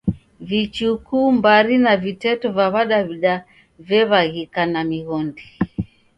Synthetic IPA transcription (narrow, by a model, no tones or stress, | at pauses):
vit͡ʃukumbaɾinavitɛtɔvaβaɗaβiɗa | vɛβaɣikanamiɣɔndi